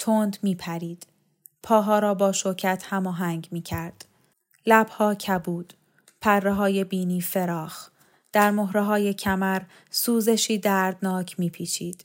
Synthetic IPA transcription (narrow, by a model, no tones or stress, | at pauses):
t̪ʰond̪miːpʰæɾiːd̪̥ | pʰɒːɦɒːɾɒːbɒːʃoɾcʰæt̪ʰhæmɒːɦæŋɟmiːcʰæɾd̪̥ | læb̥hɒːcʰæbuːd̪̥ | pʰærːeɦɒːje̞biːniːfe̞ɾɒːx | d̪̥æɾmoɦɾeɦɒːje̞cʰæmæɾ | suːze̞ʃiːd̪æɾd̪nɒːcʰmiːpʰiːt͡ʃʰiːd̪̥